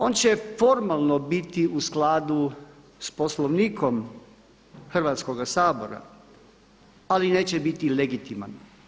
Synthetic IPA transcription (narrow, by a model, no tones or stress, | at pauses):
o̞nt͡ɕefo̞ɾmalˠno̞bit̪iusklaːd̪u | sposloʋniːkʰo̞m | xr̩ʋaːt̪sko̞ɡasaːbo̞ɾa̰ | aline̞ːt͡ɕebit̪ileɡit̪ima̰n